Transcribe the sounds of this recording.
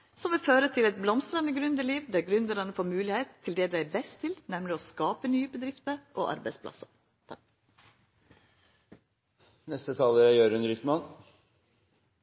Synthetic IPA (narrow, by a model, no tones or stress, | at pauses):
sɔmʋɪføːɾət̪ʰɪlɛt̪̚blɔmst̪ɾɑnəɡɾʉnd̪ɪliːʋd̪æːɾɡɾʉnd̪əɾɑnəfoːɾmʉːlɪheɪt̪ʰːɪld̪ɛːd̪æɪbɛst̪ʰːɪlnɛmlɪoːskɑːpənyːəbəd̪ɾɪft̪əʔo̰ːʔɑ̰ɾbæɪspʰlɑ̰sɑ̰ | nɛst̪ət̪ʰɑːləɾæjøːɾʉnɾʏt̪mɑn